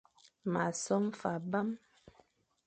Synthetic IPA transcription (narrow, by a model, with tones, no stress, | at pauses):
ma˨sɔ˦mfa˨ba˦m